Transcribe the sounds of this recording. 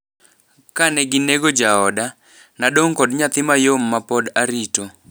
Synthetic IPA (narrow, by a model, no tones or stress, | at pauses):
kanɛɡɪneɡod͡ʒaɔda | naɗoŋkɔdɲat̪ɪmajomːapɔdaɾito